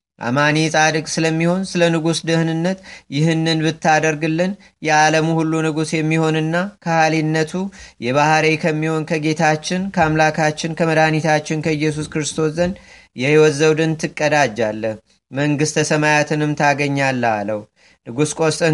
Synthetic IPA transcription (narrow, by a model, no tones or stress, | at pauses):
ʔa̰manisʼad̪ɨkʼsɨləmːiho̞nsɨlənɨɡusd̪ɨhnɨnːət̪jɪɦɨnːɨnbɨt̪ːad̪əɾɡɨlːɨn | jɛaləmuhulːunɨɡusjɛmːiho̞nɨnːakʰəhalinːət̪ʰujɛβahɾekʰəmːiho̞nkʰəɡe̞t̪ʰat͡ʃːɪnkʰəamlakʰat͡ʃːɪnkʰəməd̪anit̪ʰat͡ʃːɪnkʰəɨjːɛs̬uskɨɾɨst̪ʰo̞szən | jɛhiwɔt̪zəwd̪ɨnt̪ʰɨkʼːəd̪ad͡ʒːalːəh | məŋɡɨst̪ʰəsəmajat̪ʰɨnɨmt̪ʰaɡəɲːalːa̰ləhu | nɨɡuskʼo̞stʼɨ